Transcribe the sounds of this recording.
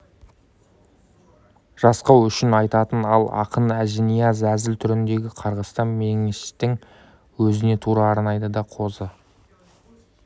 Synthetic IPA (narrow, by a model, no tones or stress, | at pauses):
ʒ̥ɑsqɑwʏʃɪnɑjt̪ɑt̪ənɑ̰lˠɑ̰qənæʒenijɑzæzɪlt̪ʰʏɾɪnd̪e̞ɡʲɪqʰɑɾʁəst̪ɑnmeŋeʃt̪ːɪŋ | wɵzɪne̞t̪ʰuɾɑːɾnɑjd̪əd̪ɑqʰo̞zə